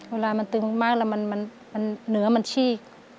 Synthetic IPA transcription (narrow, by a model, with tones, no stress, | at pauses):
weː˧˩laː˧ma˧nt̪ɯ˧ŋmaː˧˥˩k̚lɛ˧˩wma˧˥nma˧˥˨n | ma˧nːɯ˩˦ɐma˧nt͡ɕʰiː˧˩k̚